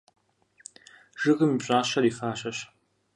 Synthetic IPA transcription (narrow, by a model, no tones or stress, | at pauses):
ʒ̥ɨɣɨmipɕʼaːɕɐɾiːfaːɕɐɕ